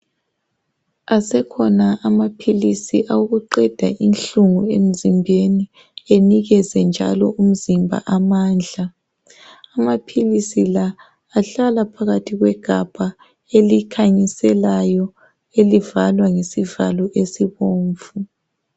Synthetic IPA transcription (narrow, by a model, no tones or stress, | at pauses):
asɛkʰɔnaʔːmapʰilisiʔauɣuǃɛd̥ʱaʔinɬuŋuem̩zimbʱeni | eniɣɛzɛnd͡ʒʱa̰lɔʔum̩zimbʱa̰ʔamaːnd͡ɮʱaː | mapʰilisilaː | ɬalapʰaɣatʰiɣwɛɡ̥ʱab̥ʱa | elikʰaɲisɛlajɔ | elivalwaŋesiva̰lɔʔesiβoːɱfu